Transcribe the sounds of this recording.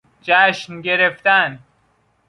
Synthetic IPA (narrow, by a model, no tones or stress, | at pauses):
d͡ʒæʃnɟeɾeft̪æn